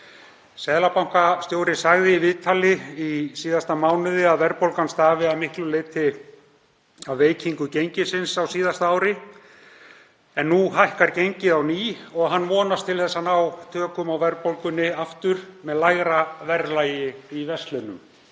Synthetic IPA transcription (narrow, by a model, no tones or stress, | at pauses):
sɛðlapawŋ̥kast̪joːwɾɪsaɣðɪivɪðt̪ʰalɪisiːðast̪amaːwnɪðɪaðvɛɾpowlkanst̪aːvɪaðmɪhklʏleːjt̪ʰɪ | awveːjciŋkʏcejɲcɪsɪnsawsiːðast̪aaːwɾɪ | ɛnːuɦajhkaɾcejɲcɪðawniːɔɣɦanːmɔːnast̪ʰɪlθɛsːanawt̪ʰœːkʏmawvɛɾpowlkʏnːɪaft̪ʏɾ̥mɛðlajɣɾavɛɾlaːjɪivɛst̪lœnʏm